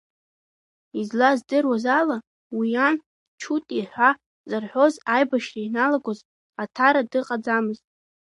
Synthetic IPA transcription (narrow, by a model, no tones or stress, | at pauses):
izlazdɨrwazala | wijan | t͡ʃʰutʼiħʷa | zarħʷo̞zajbaʃrainalaɡʷoz | atʰaɾadɨqʼad͡zamɨztʼ